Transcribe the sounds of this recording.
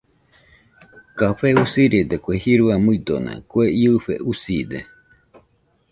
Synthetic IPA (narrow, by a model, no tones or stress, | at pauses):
kafeusiɾid̪ekwehiɾuamuid̪onã̰kweiɨɸḛʔusid̪ḛ